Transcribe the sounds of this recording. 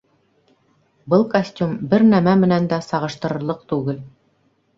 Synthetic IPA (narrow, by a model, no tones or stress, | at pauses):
bɤlˠkɐsʲtʲumbɘɾnæmæmɘ̆nænd̪æsɑʁɤ̆ʃt̪ɤ̆ɾɤ̆ɾlˠɤq̚t̪ʉɡɘl